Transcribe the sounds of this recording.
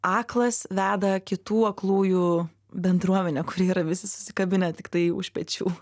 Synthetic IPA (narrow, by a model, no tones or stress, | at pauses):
ɑːklˠɐsʋʲæːd̪ɐkʲɪt̪uːɐklˠuːju | bʲɛnd̪ɾuɔmʲɛnʲɛkʊɾʲiːiːɾɐʋʲɪsʲɪsʊ̥sʲɪkɐbʲɪnʲɛt̪ʲɪkt̪ɐɪʊ̰ʃʲpʲɛt͡ʃʲṵː